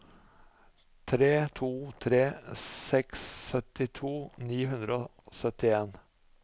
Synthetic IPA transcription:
t̪ʰɾeːt̪ʰuːt̪ʰɾeːsɛksːœt̪ɪt̪ʰuːniːɦʉnd̪ɾəoː | sœt̪ɪeːn

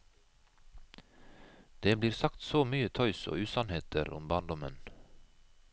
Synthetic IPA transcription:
d̪̥eːbliːɾsɑkt̪soːmyːət̪ʰœʏso̰ːʉːsɑnheːt̪ʰəɾʊ̰mbɑːnd̪ɔmən

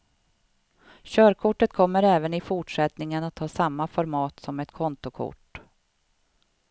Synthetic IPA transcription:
ɕœːɾkʰʊʈːət̪kʰɔmːəɾɛːvənɪfʊʈʂɛt̪nɪŋənat̪hɑːsamːafɔɾmɑːt̪sɔmɛt̪kʰɔnt̪ʊkʰʊ̰ʈː

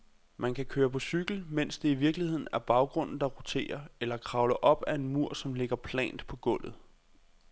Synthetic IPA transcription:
mænkʰækʰøːɐpʰɒ̽syɡ̥l̩men̰sd̥e̝iʋiɐɡ̥lihe̝ð̰ˠn̩æɐb̥ɑ̈ʊɡ̥ʁɔ̽n̰n̩d̥ɑ̈ʁot͡sʰe̝̰ːɐelɐkʰʁɑ̈ʊləʔɒ̽b̥æe̝nmuɐ̰sɒ̽mle̝ɡ̥ɐpʰlɛ̰ːnd̥pʰɒ̽ɡ̥ɔ̽l̰ð̩ˠ

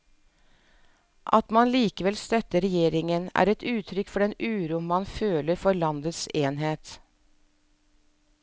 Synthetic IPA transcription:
ʔɑ̰t̪mɑnliːkəʋɛlst̪œt̪əɾɛjeːɾɪŋənæ̰ːɾɛt̪ʉːt̪ʰɾʏkfɔɖɛnʉːɾʊmːɑnføːləɾfɔɾlɑnd̪əseːnɦeːt̪

